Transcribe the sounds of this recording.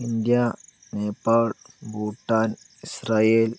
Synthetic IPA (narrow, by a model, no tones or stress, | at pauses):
ind̪ija | neːpaːl | buːʈːan | isɾaːeːl